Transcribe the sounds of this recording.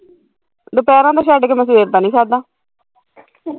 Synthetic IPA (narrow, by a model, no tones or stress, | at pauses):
d̪ʊpɛːɾãːd̪aːʃ̬ɛːɖkeːmɛ̃s̬ʋeːɾt̪aːnĩːsaːd̪aː